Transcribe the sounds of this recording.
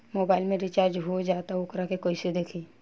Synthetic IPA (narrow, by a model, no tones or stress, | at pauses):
moːbaːɪlmẽɾit͡ʃaːɾd͡ʒɦod͡ʒaːt̪aʊkɾakekoːised̪eːkʰiː